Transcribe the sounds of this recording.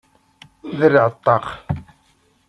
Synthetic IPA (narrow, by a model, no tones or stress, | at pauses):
ðəɾʕət̪ˤːɑq